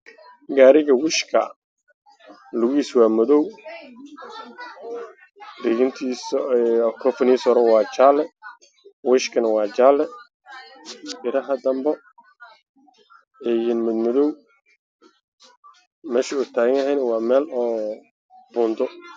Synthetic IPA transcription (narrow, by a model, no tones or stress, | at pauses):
ɡaːɾɪɣɐwɪʃkʰɐ̰ | lʊɣiːswɑːmɔðɔw | riɣɪnt̪ʰiːskʰɔfniːsɔɾɔwɑːt͡ʃaːlɛ | wɪʃkʰɐnɐwɑːt͡ʃaːlɛ | ʔɪɾɐɦɐd̪ɐmbɔ | ɛːjɪnmʊd̪mɔðɔw | mɛːʃɪʊt̪ʰaːɣɪŋɐɦɛjnɐwɑːmɛːlɔː | b̥ʊːnd̪ɔ